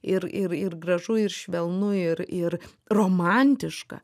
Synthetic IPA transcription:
ɪɾɪɾɪrɡɾɐʒʊɪɾʃʲʋʲɛlˠnʊɪɾɪɾ | roːmɑnʲt̪ʲɪʃkɐ̰

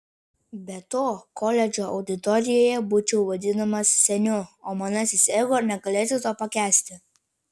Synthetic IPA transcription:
bʲɛt̪oːkɔlʲɛd͡ʒʲoːʔɐʊd̪ʲɪt̪ɔɾʲɪjoːjɛbuːt͡ʃʲɛʊʋɐd̪ʲɪnɐmɐssʲɛnʲʊoːmɑnɐsʲɪsʲɛːɡoːnʲɛɡɐlʲeːt̪ʲʊt̪oːpɐkʲæːsʲt̪ʲɪ

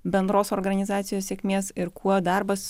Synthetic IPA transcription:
bʲɛnd̪ɾoːsɔɾɡɐnʲɪzɑːt̪sʲɪjoːssʲɛkʲmʲeːsɪɾkʰuɔd̪ɑˑɾbɐs

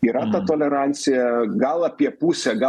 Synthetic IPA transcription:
iːɾɐt̪ɐt̪oːlʲɛɾɑnʲt̪sʲɪjɛɡɐlˠɐpʲiɛpuːsʲɛɡɐ

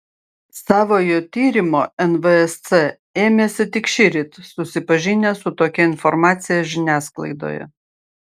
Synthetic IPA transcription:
sɑːʋoːjoːt̪ʲiːɾʲɪmoːɛnʋəɛst̪sɛ | eːmʲeːsʲɪt̪ʲɪkʃʲɪɾʲɪt̪sʊsʲɪpɐʒʲɪnʲeːsʊt̪oːkʲɛɪnfɔɾmɑːt̪sʲɪjɛʒʲɪnʲæːsklˠɐ̰ɪd̪o̰ːjɛ̰

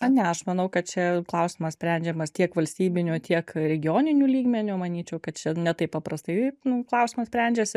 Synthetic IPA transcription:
ɐnʲɛɐʃmɐnɐʊkɐt̪̚t͡ʃʲɛklˠɐʊsʲɪmɐssʲpʲɾʲænʲd͡ʒʲɛmɐst̪ʲiɛkʋɐlʲsʲt̪ʲiːbʲɪnʲut̪ʲiɛkɾʲɛɡʲɪjoːnʲɪnʲuːlʲiːɡmʲɛnʲʊmɐnʲiːt͡ʃʲɛʊkɐt̪̚t͡ʃʲɛnʲɛt̪ɐɪppɐpɾɐst̪ɐɪnʊklˠɐʊsʲɪmɐsʲpʲɾʲɛnʲd͡ʒʲɛsʲɪ

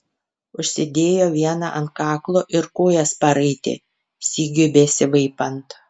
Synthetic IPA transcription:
ʊʃʲsʲɪd̪ʲeːjoːʋʲiɛnɑ̰ʔɐnt̪̚kɑːklˠoːʔɪɾkoːjɛspɐɾɐɪt̪ʲḛ | sʲiːɡʲʊbʲɛsʲɪʋɐɪpɐnt̪

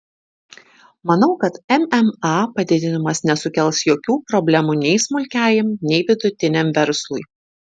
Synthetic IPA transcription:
mɐnɐʊkɐt̪ɛmɛmɑpɐd̪ʲɪd̪ʲɪnʲɪmɐsnʲɛsʊkʲɛlˠsjoːkʲuːpɾɔbʲlʲɛmuːnʲɛɪsmʊlʲkʲæːjɪmnʲɛɪʋʲɪd̪ʊt̪ʲɪnʲɛmʋʲɛɾslˠʊjɪ

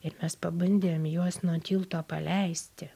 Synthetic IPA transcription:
ɪɾmʲɛspɐbɐnʲd̪ʲeːmjuɔsnuɔt̪ʲiːlˠt̪oːpɐlʲɛɪsʲt̪ʲɪ

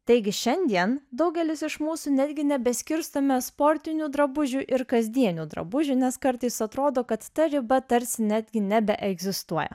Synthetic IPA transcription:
t̪ɐɪɡʲɪʃʲɛnʲd̪ʲiɛnd̪ɒʊɡʲɛlʲɪsɪʃmuːsuːnʲæːd̪ʲɡʲɪnʲɛbʲɛsʲkʲɪɾst̪ɐmʲɛspɔɾʲt̪ʲɪnʲuːd̪ɾɐbʊʒʲuʔɪɾkɐzʲd̪ʲiɛnʲuːd̪ɾɐ̰bʊʒʲunʲɛskɐɾt̪ɐɪsɐt̪ɾoːd̪oːkɐt̪ːɐɾʲɪbɐt̪ɐɾʲsʲɪnʲæːd̪ʲɡʲɪnʲɛbʲɛʔɛɡzʲɪst̪uɔjɛ̰

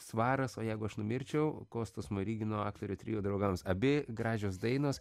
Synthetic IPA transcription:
sʋɑːɾɐsoːjɛɪɡʊɐʃnʊmʲɪɾʲt͡ʃʲɛʊkoːst̪oːsmoɾʲiːɡʲɪnoːɑːkt̪ɐɾʲʊːt̪ʲɾʲɪjuːd̪ɾɐʊɡɐmsɐbʲɪɡɾɑːʒʲoːsd̪ɐɪnoːs

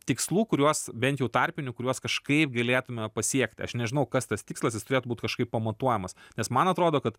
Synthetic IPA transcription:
t̪ʲɪkslˠuːkʊɾʲuɔsbʲɛnt̪jɛʊt̪ɐrʲpʲɪnʲʊkʊɾʲuɔskɐʃkɐɪp̚ɡɐlʲeːt̪ʊmʲɛpɐsʲiɛkt̪ʲɐ̰ʃnʲɛʒʲɪnɐʊkɐst̪ɐst̪ʲɪkslˠɐs̬jɪstʊɾeɛt̪ʊbuːt̪ʲkɐʃkɐɪppɐmɐt̪uɔjɛmɐsnʲɛsmɐnɐt̪ɾoːd̪oːkɐt̪

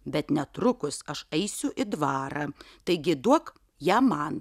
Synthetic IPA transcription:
bʲɛt̪nʲɛt̪ɾʊkʊsɐʃɐɪsʲʊʔɪd̪ʋɑːɾɑː | t̪ɐɪɡʲɪd̪uɔk | jæːmɐn

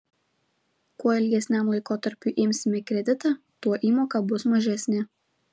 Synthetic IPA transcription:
kuɔɪlʲɡʲɛsʲnʲɛmlˠɐɪkoːt̪ɐɾʲpʲuːˑʔɪmʲsʲɪmʲɪkɾʲɛd̪ʲɪt̪ɑˑ | t̪uɔʔiːmoːkɑˑbʊsmɐʒʲɛsʲnʲɪ

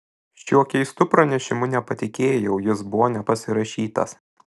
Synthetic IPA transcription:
ʃʲuɔkʲɛɪst̪ʊpɾɐnʲɛʃʲɪmʊnʲɛpɐt̪ʲɪkʲeːjɛʊjɪsbʊʋɔːnʲɛpɐsʲɪɾɐʃʲiːt̪ɐ̰s

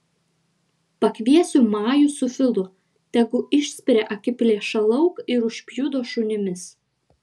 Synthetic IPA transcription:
pɐkʲʋʲiɛsʲʊmɑːjʊsʊfʲɪlˠʊ | t̪ʲɛɡʊʔɪʃʲsʲpʲɪɾʲeːʔɐkʲɪpʲlʲeːʃɐlˠɐʊkɪɾʊʃʲpʲjud̪oːʃʊnʲɪmʲɪs

